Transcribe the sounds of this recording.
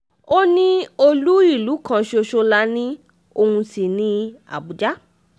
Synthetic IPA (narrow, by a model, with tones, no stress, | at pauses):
o˦nĩ˦o˧lu˦i˦˨lu˨˦kã˦˧ʃo˧ʃo˧la˦nĩ˦ | o˧hũ˧si˨nĩ˦a̰˨bu˨d͡ʒa˦